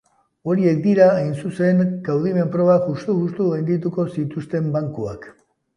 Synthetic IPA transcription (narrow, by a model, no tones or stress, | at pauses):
o̞ɾie̞k̚d̪iɾaajnsuse̞ŋɡ̥awð̞ime̞mpɾo̞βaʝust̪uɣust̪uɣajnd̪it̪̬uko̞sit̪ust̪e̞mbaŋkua̰k